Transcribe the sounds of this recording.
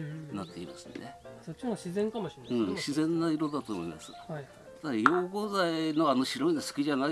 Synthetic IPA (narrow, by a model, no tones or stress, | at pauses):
nat̪ːe̞imasɨ̥ne̞̰sot͡ɕiaɕizẽŋkamoɕiɯ̃ɕizẽ̞nːaiɾo̞d̪at̪o̞ːmo̞ima̰sɨ̥a | aajo̞ːɡo̞zaino̞ano̞ɕiɾo̞inasɨ̥kʲiʑana